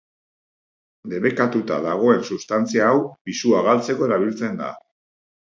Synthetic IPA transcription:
d̪e̞βe̞kat̪ut̪a̰ðaɣ̞o̞e̞nsust̪ant͡siaːwbisuaɣalt͡se̞ko̞e̞ɾaβ̞ilt͡se̞nd̪a̰

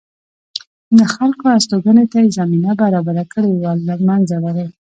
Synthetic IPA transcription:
d̪əxalkoast̪oɡənet̪ajezaminabaɾɑbaɾakəɽewalamanzawaɾa

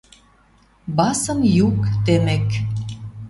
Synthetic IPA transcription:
bɑsə̆mjukt̪emek

